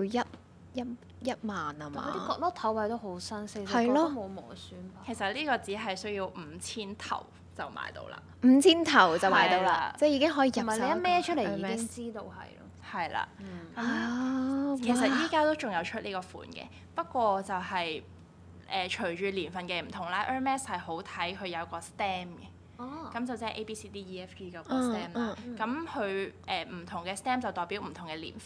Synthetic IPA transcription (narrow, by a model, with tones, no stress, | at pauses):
i˧jɐ˥t̚ | jɐ˥t̚ | jɐ˥t̚maː˨˩naː˧m˨a̰ː˨˧t̪i˥˨kɔː˧˥lɔː˥t̪ʰɐ˨˥wpɐ˧jt̪o˥wɦo˨˥wsɐ˥nssɐ˨ɐ˨jlɔː˥o˥mo˨˧wmɔ̰ː˨˩syː˨˥npaː˧kʰe˨˩jsɐ˨t̚liː˥kɔː˧t͡siː˨˥ɦɐ˨jsɵ˥ɥjiː˧wm̩˨˩˧t͡sʰiː˥nt̪ʰɐ̰˨˩w | t͡sɐ˨˩wma̰ː˧jt̪o̰˧wla̰ː˧˩m̩ː˨˧t͡sʰiː˥nt̪ʰɐ˨˩wt͡sɐ˨wmaː˨jt̪o˧wlaː˧t͡sɛː˥jiː˨˧kɪ˥ŋɦɔː˨˥jiː˨˧jɐ˨mɐ˨le˨˧jɐ˥mɛː˥t͡ʃʰɵ˥leː˨˧˨ɛːɪ˥ŋt͡siː˥t̪o˧whɐ̰˨jlɔ̰ː˥hɐ˨jla̰ː˧˩kɐ˨˦mː | kʰe˨˩sɐ˨t̚jiː˥kaː˥t̪o˥wt͡ʃʊ˨ŋjɐ˨˧wt͡ʃʰɵ˥t̚liː˥kɔː˧fṵː˨˩nkɛ̰ː˧ | pɐ˥t̚kʷɔː˧t͡sɐ˨whɐ˨j | ʔɛː˨t͡ʃʰɵ˨˩ɥt͡ʃyː˨˧liː˨˩nfɐ˨nkɛ˧m̩˨˩t̪ʰʊ˨˩ŋlaː˧ʔœː˥mɛː˥shɐ˨jho˨˥wt̪ʰɐ˨˥jkʰɵ˨˧ɥjɐ˨˧wkɔː˧st̪ɛː˥mkɛ˧ | kɐ˨˥mt͡sɐ˨˩wt͡sɛː˥˨˩ʔe˥jpiː˥siː˥t̪iː˥jiː˥ɛ˥fiː˥kɐ˨˧kɔ˧st̪ɛː˥ma˧kɐ˨˧˥mhɵ˨˧ɥʔɛː˨m̩˨˩t̪ʰʊ˨˩ŋkɛː˧st̪ɛː˥mt͡sɐ˨wt̪ɔː˨˩jpi˨˥wm̩˨˩t̪ʰʊ˨˩ŋkɛː˧lḭː˨˩nf